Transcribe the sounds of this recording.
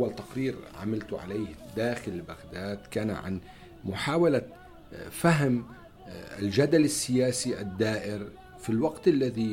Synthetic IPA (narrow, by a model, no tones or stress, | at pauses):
wːalt̪aqɾiːɾʕa̰malt̪ʕa̰leːhd̪aːxɪlɪlbaɣd̪aːd̪kaːna̰ʕa̰n | mʊħaːwala | faɦm̰ | ld͡ʒad̪alɪsːɪjaːsiʔad̪ːaːʔɪɾ | filwɑɡt̪ʔalːaði